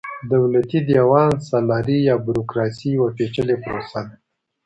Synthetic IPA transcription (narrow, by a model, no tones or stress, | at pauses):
d̪awlat̪id̪jawɑnsalɑɾijɑbuɾokɾɑsiwaʈet͡ʃəlepɾo̰sad̪